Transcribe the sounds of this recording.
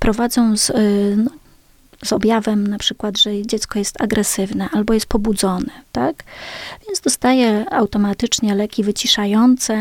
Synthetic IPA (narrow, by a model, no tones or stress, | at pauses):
pɾɔvad̪zɔ̃w̃znɔ | zɔbʲjavɛmnapʂɘkwad̪ʐɛd͡ʑɛt̪skɔjɛst̪aɡɾɛsɘvnɛʔalbɔjɛst̪̚pɔbud̪zɔnɛt̪akvʲjɛnd̪zd̪ɔst̪ajɛawt̪ɔmat̪ɘt͡ʂɲɛlɛkʲivɘt͡ɕiʂajɔnt̪sɛ